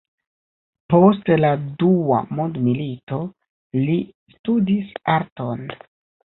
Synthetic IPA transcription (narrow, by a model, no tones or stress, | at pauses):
po̞stladua̰mondmilito̞ | li | studisaɾton